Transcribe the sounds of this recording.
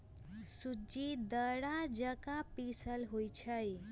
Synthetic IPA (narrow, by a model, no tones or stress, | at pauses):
sud͡ʒid̪əɽad͡ʒəkapisəlɦojt͡ʃʰəj